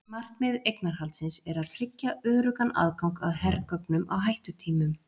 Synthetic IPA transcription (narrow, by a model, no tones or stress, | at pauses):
mar̥kmɪðejknaɾ̥halt̪sɪnsɛɾaðfɾɪcːaœːɾʏkana̰ðkawŋka̰ðhɛrkœpnʏmʔa̰wɦajht̪ʏt̪ʰiːmʏm